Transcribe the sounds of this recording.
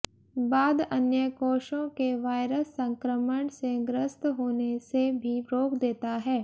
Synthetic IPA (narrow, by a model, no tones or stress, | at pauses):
baːd̪ənjəkoːʃõkeʋaːɪɾəsːə̃ŋkɾəməɳseɡɾəst̪ɦoːnesebʱiɾoːkʰd̪eːt̪aɦɛː